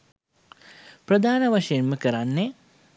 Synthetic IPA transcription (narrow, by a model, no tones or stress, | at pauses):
prəd̪ʱaːnəʋaʂejemməkəɾanːe